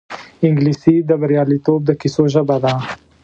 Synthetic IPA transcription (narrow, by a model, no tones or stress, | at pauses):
ɪŋɡlisid̪əbaɾjɑlit̪ob̚d̪əkisoʒəbad̪a